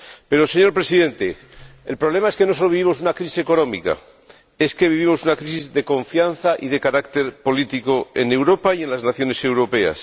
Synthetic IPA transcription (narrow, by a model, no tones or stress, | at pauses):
pe̞ɾo̞se̞ɲoɾpɾe̞siðe̞nt̪e̞ | elpɾoβ̞le̞maeskenosolo̞βiβimo̞s̬unakɾisi̥se̞ko̞nõ̞mika̰ | e̞ske̞βiβimo̞sunakɾisizðe̞ko̞ɱfjanθaʔiðe̞kaɾakt̪e̞ɾpo̞lit̪iko̞e̞̰ne̞wɾo̞paie̞nlaznaθjo̞ne̞sewɾo̞pe̞a̰s